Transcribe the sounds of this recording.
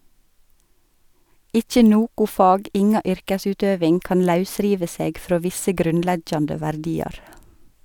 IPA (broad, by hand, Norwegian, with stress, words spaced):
ˈɪçə ˈnoːkʊ ˈfɑːɡ ˈɪŋɑ ˈʏɾkəˌsʉːtøːʋɪŋ ˈkɑːn ˈlɑʉˌsɾiːʋə ˈseːɡ ˈfɾoː ˈʋɪsə ˈɡɾʉnˌlɛɡjɑndə ʋæɾˈdiːɑɾ